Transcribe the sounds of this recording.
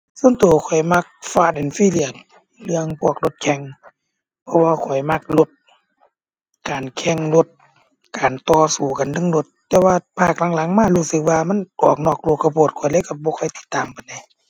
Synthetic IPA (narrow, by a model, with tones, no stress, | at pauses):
so˧˥˨nt̪uː˨˩kʰɔ˨˩jma˧k̚faː˧˨de˨˩˨nfiː˧˥˨li˧˩ən̚ | lɯ˧əŋpʰu˧˩ək̚lo˧t̪̚kʰɛ˧ŋ | pʰɔ˧waː˧kʰɔ˨˩jma˧k̚lo˧t̪̚ | kaː˨nkʰɛ˧˩ŋlo˧t̪̚ | kaː˨˩nt̪ɔː˧˩suː˨˩ka˨nlɯ˧˨ŋlo˧˦t̪ːɛː˧waː˧pʰaː˧˩k̚la˨˧˦ŋla˨˦ŋmaː˧˩˨huː˧˥˩sɯ˧k̚waː˧ma˧˥˨nɔ˧˩ək̚nɔː˧˩k̚lu˧˩kːa˧˩pʰoː˧˩t̪̚kʰɔ˨˩jlaː˧˦˨ka˧˩bɔː˧˦kʰɔ˧˩˨jt̪i̥˧˩t̪ːaː˨mpa˨nda˧˦j